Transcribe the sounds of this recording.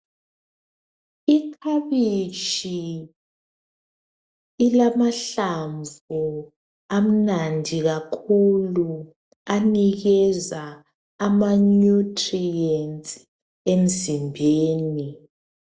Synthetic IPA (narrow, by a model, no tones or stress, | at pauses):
ikʰaβit͡ʃʼi | ilamaɬaɱvu | am̩nandʱiɣakʰulu | aniɣɛzaː | manutʰʼriɛntʼ | em̩zimbʱeːni